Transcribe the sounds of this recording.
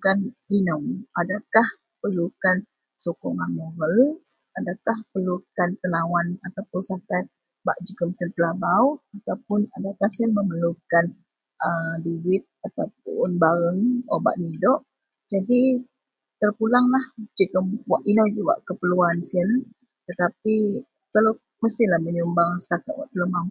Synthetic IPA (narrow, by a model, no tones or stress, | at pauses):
kaninɔwadakah | pərlukan | sokɔŋanmoɾəl | adakahpəlukant̪ənawanat̪apʊnsakat̪̚ | baʔd͡ʒəɡəmsənpəlabawat̪awpʊnadakahsənməməlukan | ədiwɪt̪̚at̪awp̚ʊnbaɾəŋo̰ba̰ʔnidɔʔ | d͡ʒadi | t̪ərpulaŋlahd͡ʒikəmwaʔinod͡ʒiwa̰ʔkəpəluansən | t̪ət̪api | kalo | məst̪ilahməɲumbaŋsə̥t̪akat̪̚wa̰ʔt̪ələmam